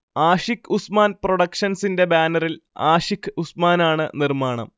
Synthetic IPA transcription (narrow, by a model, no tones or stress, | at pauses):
aːʂikːusmaːnproɽɐkʂɐnsinde̞baːnɐrilaːʂikʰːɨusmaːnaːɳɨnirmaːɳɐ̰m